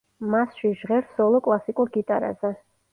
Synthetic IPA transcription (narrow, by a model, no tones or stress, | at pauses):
masʃiʒʁɛɾsɔlˠɔkʼlˠasikʼuɾɡit̪ʼaɾa̰zɛ